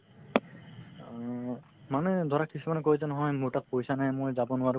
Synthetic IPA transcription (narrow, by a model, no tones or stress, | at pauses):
manɛd̪ʱɔɹakʰːisumanɛkojzɛnɔɦɔjmuɹtak̚pojsanajmojzabɔnʊwaɹu